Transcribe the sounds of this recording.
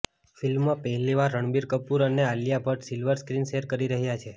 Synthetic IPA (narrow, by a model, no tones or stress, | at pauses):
filmːãpɛɦliʋaɾːəɳ̃biɾkəpuɾənealijabʱəʈsilʋəɾskɾinʃeɾkəɾiɾəɦjat͡ʃʰe